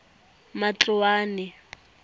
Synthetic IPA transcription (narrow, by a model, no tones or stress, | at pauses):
mat͡ɬʊwaːnɛ